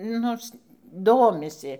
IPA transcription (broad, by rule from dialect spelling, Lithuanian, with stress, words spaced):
ˈnoːrs ˈdoːmʲɪsʲɪ